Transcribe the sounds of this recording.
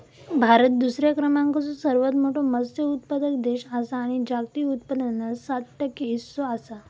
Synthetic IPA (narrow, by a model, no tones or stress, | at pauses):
bʱaɾət̪̚d̪usɾjakɾəmãŋkət͡sosəɾʋət̪moʈʰoməst̪jəut̪pəd̪əkd̪eɕasaːɽ̃id͡ʑak̚t̪iut̪̚pəd̪ənːəsat̪̚ʈəkːeɦisːoasa